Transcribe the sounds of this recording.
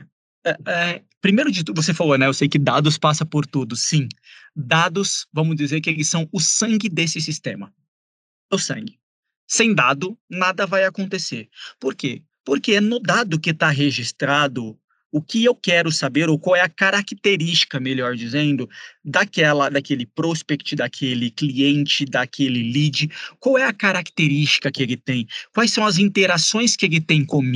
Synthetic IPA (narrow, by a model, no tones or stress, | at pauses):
ɛɛ | pɾimejɾʊd͡ʒɪt̪uvos̬efalonɛ̃ewsejkɪd̪ad̪ʊspasɐpoɾt̪ud̪ʊsĩd̪ad̪ʊsvɐ̃mʊzd͡ʒizeɾkɪelɪsːɐ̃w̃ʊsɐ̃ŋɡɪd̪esɪsist̪ẽmɐ | ʊsɐ̰̃ŋɡɪ | sẽj̃d̪ad̪ʊnad̪ɐvajakõnt̪eseɾpoɾke | poɾkenʊd̪ad̪ʊkɪt̪aɦeʒist̪ɾad̪ʊ | ʊkɪewkɛɾʊsabeɾowkwawɛɐkaɾakt̪eɾist͡ʃi̥kɐmeʎɔɾd͡ʒizẽnd̪ʊd̪akɛlɐd̪akelɪpɾospɛkt͡ʃɪd̪akʰelɪkliẽnt͡ʃɪd̪akʰelɪlid͡ʒɪkwawɛɐkaɾakt̪eɾist͡ʃi̥kɐkɪelɪt̪ẽj̃kwajsːɐ̃w̃ɐzĩnt̪eɾasõj̃skɪelɪt̪ẽj̃kom